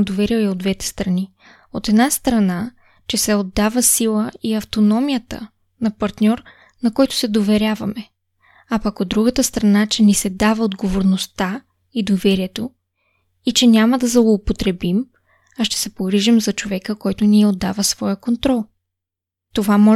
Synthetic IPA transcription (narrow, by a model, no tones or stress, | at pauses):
d̪ovɛɾiəɛod̪vɛt̪ɛ̥st̪ɾɐni | ot̪ɛd̪nast̪ɾɐna | t͡ʃɛsɛod̪ːavəsilˠəiɐft̪onɔmijət̪ə̰ | nɐpɐɾt̪nʲɔɾ | nɐkɔjt̪ʊ̥sɛd̪ovɛɾʲjavɐmɛ | apɐkod̪ːɾuɡət̪əst̪ɾɐnat͡ʃɛnisɛd̪avəod̪ɡovoɾnost̪a | id̪ovɛɾiɛt̪o | it͡ʃɛnʲaməd̪ɐzlˠoːpot̪ɾɛbim | aʃt̪ɛ̥sɛpoɡɾiʒimzɐt͡ʃovɛkəkɔjt̪ʊniod̪ːa̰vəsvɔjəkont̪ɾɔlˠ | t̪ovamɔ